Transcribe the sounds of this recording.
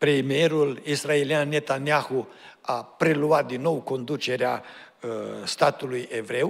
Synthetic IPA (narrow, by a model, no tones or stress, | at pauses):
pɾemie̞ɾulisraelianːe̞t̪aniahuapɾe̞luat̪̚d̪inːo̞wko̞nd̪ut͡ʃe̞ɾea | st̪at̪uluje̞vɾe̞w